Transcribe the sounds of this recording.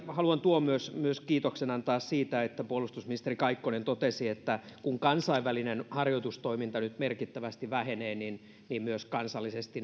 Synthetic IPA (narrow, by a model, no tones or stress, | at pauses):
hɑluɑnt̪uommyøsmyøskiːt̪oksenɑnt̪ɑːssiːt̪æet̪ːæpuolust̪usminist̪erikɑikːonent̪ot̪esiet̪ːækuŋkɑnsɑiʋʋælinenhɑrjot̪ust̪oimint̪ɑnyt̪merkit̪ːæʋæst̪iʋæheneːnin | niːmmyøskɑnsɑlːisest̪i